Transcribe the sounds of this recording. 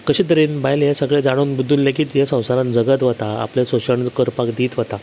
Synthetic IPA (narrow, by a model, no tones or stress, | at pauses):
kəɕiːt̪̬əɾiːnbajljẽsəɡɭed͡zaɽ̃oːnbud̪ʱːuːnlekiːt̪jesə̃w̃saɾãnd͡zəɡət̪ʋət̪aa̰plesoɕəɳd͡zkəɾpakd̪iːt̪ʋət̪a